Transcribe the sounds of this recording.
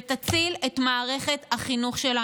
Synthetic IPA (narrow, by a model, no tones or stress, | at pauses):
t̪at͡silet̪maːʁe̞χe̞t̪haχinuχʃela